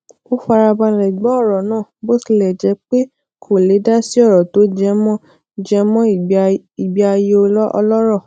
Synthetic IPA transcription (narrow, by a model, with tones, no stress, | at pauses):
o˦fa˧ɾa˧ba˧lɛ˨ɡ͡bɔ˨˦ɔ˦˨ɾɔ˨nãː˦˨bo˦si˦˧˦lɛ˨d͡ʒɛ˨˦k͡pe˦ | kʰo˨le˨˦da˦si˦ɔ˦˨ɾɔ˨to˨˦d͡ʒɛ˧mɔ̃˦ | d͡ʒɛ˧mɔ̃˦˨ | i˨bi˨˦a˧je˧o˧lɔ˦ɔ̰˧lɔ˦ɾɔ˦˨